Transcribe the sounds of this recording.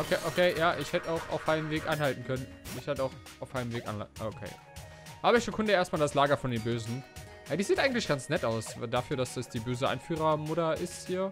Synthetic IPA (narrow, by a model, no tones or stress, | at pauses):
ʔokʰeːʔokʰeːjaːʔɪçhɛtəaʊxa̰ʊfʔaɪnəmveːkʔaɪnhaltn̩kʰœnən | nɪçhɛtəaʊxʔaʊfʔaɪnəmveːkʔa̰naokʰḛː | haːbɐɪçɡ̥əkʰʊndəʔeːɐst̚maːldaslaːɡɐfɔndeːnbøːzn̩ | jadiːziːtʔaɪɡŋ̩tlɪçɡ̥ant͡snɛtaʊsdafyːɐdasd̥asd̥iːbøːzəʔa̰ɪnfyːʁɐmʊtɐʔɪsthiːɐ